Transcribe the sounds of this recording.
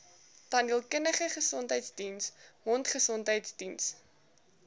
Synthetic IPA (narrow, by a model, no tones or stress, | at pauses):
tɐnilˠkənəχəχəsɔntɦəjtsdinsɦɔntχəsɔntɦəjtsdins